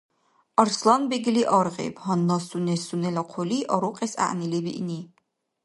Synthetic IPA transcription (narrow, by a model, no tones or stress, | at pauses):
ɑɾslˠanbɛɡliʔɑɾʁɛ̰bhɑnːasunɛsunɛlɐqʰɔliʔɔɾuqʼɛsa̰ʔnilɛbḭʔni